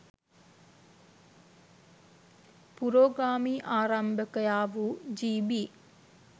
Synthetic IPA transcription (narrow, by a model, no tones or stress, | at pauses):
puɾoːɡɾaːmiːʔaːɾambəkəjaːʋud͡ʒiːbiː